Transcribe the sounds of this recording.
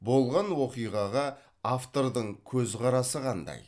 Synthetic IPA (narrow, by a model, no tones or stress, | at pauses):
bo̞lˠʁɑnwo̞qijʁɑʁɑ | aft̪o̞ɾd̪əɴkʲʰɵzqɑɾɑsəqʰɑnd̪ɑ̰j